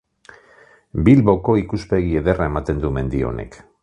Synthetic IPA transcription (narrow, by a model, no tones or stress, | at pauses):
bilβo̞ko̞ikuspe̞ɣ̞ie̞ðe̞rae̞mat̪e̞nd̪ume̞nd̪io̞̰ne̞̰k